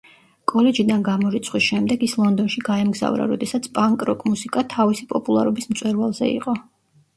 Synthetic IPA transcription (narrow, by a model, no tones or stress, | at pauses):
kʼɔlɛd͡ʒid̪anɡamɔɾit̪sʰχwisʃɛmd̪ɛɡislˠɔnd̪ɔnʃiɡaɛmɡza̰vɾa̰ɾɔd̪ɛsat̪sʰpʼaŋkʼɾɔkʼmusikʼat̪ʰavisipʼɔpʼulˠaɾɔbismt̪sʼwɛɾvalˠzɛ̰ḭqʼɔ